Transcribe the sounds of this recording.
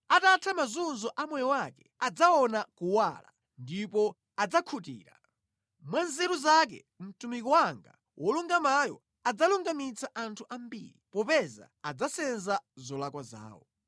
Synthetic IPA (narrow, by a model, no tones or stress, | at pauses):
atatʰamazunzɔʔamwɛjɔwakɛad͡zaɔnakuwaːla̰ | ndipɔ | ad͡zakʰutḭːɾa | mwanzɛɾuzak̬ɛ̰ | m̩tumik̬ɔwaŋɡa̰ | wʔɔluŋɡamajɔ̰ | ad͡zaluŋɡamit͡sʰaʔantʰuʔambḭːɾipɔpɛza̰ad͡zasɛnzazɔlakwaza̰ːwɔ̰